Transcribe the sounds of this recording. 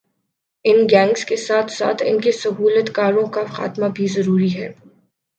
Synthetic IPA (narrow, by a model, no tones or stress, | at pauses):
ɪnɡɛ̃ːŋɡskesaːt̪ʰsa̰ːt̪ʰɪ̰nkesɐɦuːlət̪kaːɾõkaxa̰ːt̪mabʱizɐɾuːɾiɦɛː